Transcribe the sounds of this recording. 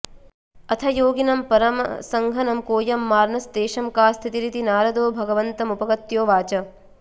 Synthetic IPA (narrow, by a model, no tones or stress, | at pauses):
ɐt̪ʰɐjoːɡinɐmpɐɾɐmsɐŋɡʱɐnɐmkoːjɐmːaːɾnɐsd̪eːʃɐmkaːst̪ʰit̪iɾit̪inaːɾɐd̪oːbʱɐɡɐʋɐnt̪ɐmupɐɡɐt̪joːʋaːt͡ʃɐ